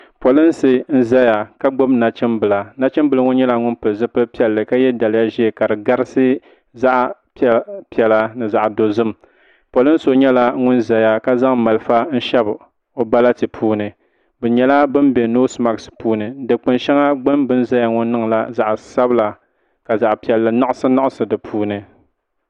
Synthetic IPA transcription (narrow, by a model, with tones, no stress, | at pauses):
po˨lɨ˦n˦sɨ˨n̩˦za˦ja˨ka˦ɡ͡bo˦bna˨t͡ʃɪ˦mbɨ˨la˨na˦t͡ʃɪ˦mbɨ˦lŋʊ˦n˦ɲɛ˦la˨ŋʊ˦npɨ˨lzɨ˦pɨ˦pi˦ɛ˦lːɨ˨ka˦jɛ˦da˨lɪ˦ja˦ʒi˦˨ka˨dɨ˨ɡa˦ɾɨ˦sɨ˦ | za˦ʔ | pi˦ɛ˨la˦nɨ˨za˨ʔdo˨zɨ˦m˨ | po˨lɨ˦n˦so˦ɲɛ˦la˦ŋʊ˦nza˨ja˦ka˦za˦ŋma˨lɨ˦fa˦n̩˦ʃɛ˦b | o˨ba˦la˦tɨ˨pʰuː˦nɨ˨ | bɛ˨ɲɛ˨la˦bɨ˦nbɛ˨no˦sma˨kspuː˦nɨ˨dɨ˨k͡pɨ˨nʃɛ˦ŋa˦ɡ͡bɨ˦mbɨ˦nza˦ja˦˨ŋʊ˦nː˦ɨ˦ŋ˨la̰˦za˨ʔsa˦bla˨ | ka˨za˨ʔpi˨ɛ˨lːɨ˨na˦ʔʊ˦sɨ˦na˦ʔʊ˦sɨ˨dɨ˨pʰuː˦nɨ˨